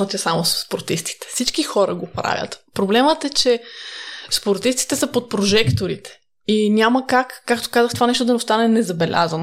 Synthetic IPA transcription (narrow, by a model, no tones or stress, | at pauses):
ot̪ʲɛsamosspoɾt̪ist̪i̥t̪ɛ̥fsit͡ʃkixɔɾə̰ɡopɾa̰vʲjə̰t̪pɾoblɛmət̪ɛt͡ʃɛ | spoɾt̪ist̪i̥t̪ɛsəpot̪̚pɾoʒɛkt̪oɾit̪ɛ̥ | inʲaməkakːakt̪o̥kazəxt̪ovanɛʃ̬t̪od̪ɐnɛost̪anɛnɛzɐbɛlʲʔa̰zəno